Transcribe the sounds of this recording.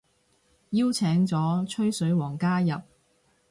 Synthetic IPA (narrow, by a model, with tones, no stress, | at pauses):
jiː˥wt͡sʰɛː˨˥ŋt͡sɔː˨˥t͡ʃʰɵ˥ɥsɵ˨˥ɥwɔː˨˩ŋkaː˥jɐ˨p̚